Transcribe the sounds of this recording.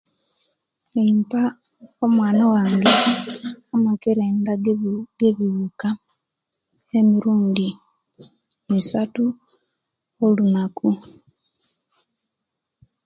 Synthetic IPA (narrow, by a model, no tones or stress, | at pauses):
eimpa | omwaːnawaːŋɡe̞ | amakeɾeːndaɡeβiβuka | emiɾuːndi | misatu | olunaku